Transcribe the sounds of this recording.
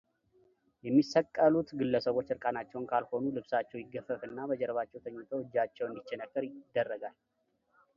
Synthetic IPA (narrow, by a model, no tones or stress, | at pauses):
jɛmːisəkʼːəlut̪ɡɨlːəsəβo̞t͡ʃːɨɾkʼanat͡ʃːɛwnkʰalho̞nulɨβsat͡ʃːɛwjɪɡəfːəfɨnːabəd͡ʒɛɾβat͡ʃːɛwt̪ʰəɲːut̪ʰowɨd͡ʒːat͡ʃːɛwɨnd̪it͡ʃːɛnəkːəɾjɪd̪ːərːəɡal